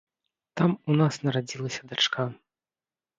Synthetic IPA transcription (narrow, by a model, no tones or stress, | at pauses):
t̪amunasnɐɾad͡zʲilˠɐsʲɐd̪at͡ʂka